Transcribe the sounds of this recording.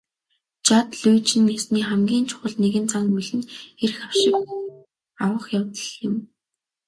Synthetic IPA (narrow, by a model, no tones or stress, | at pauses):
t͡ɕat̪ɮuːt͡ɕɪ̆nːesniːχæmɡʲiːnt͡ɕʰʊ̥χə̆ɮneɣɘ̆nt͡saŋmiɮɘ̆nerxaw̥ʃɪ̆k | awə̆χjawt̪ə̆ɮɪ̆m